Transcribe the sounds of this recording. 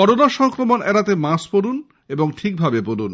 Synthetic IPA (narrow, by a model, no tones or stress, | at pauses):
ɔɾonaʃɔŋkɾomonʔɛɾat̪emaspoɾun | eboŋʈʰik̚bʱabepoɾun